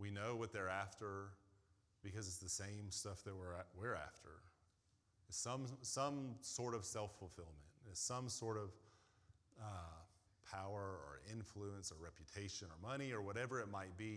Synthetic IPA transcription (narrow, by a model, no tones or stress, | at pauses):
winoʊwʌt̪̚ðə˞æftə˞ | b̥ɨkʌzɨtsðɨsẽɪ̃mstʌfðɨt̚wɪ˞wɪɹæ̰ftʰə̰˞ | ɨ̥sʌ̃msʌ̃msɔɹɾʌv̥sɛlˠfl̩ˠfɪlˠmɨ̃ntɨtsʌ̃msɔɹɾʌv̥ | ʌpʰaʊə˞ə̰˞ʔɪ̃ɱfluə̃nsə˞ɹɛpjɨtʰeɪʃɨ̃nə˞mʌɾ̃iə˞wʌɾɛvə˞ɨt̚maɪt̚b̥i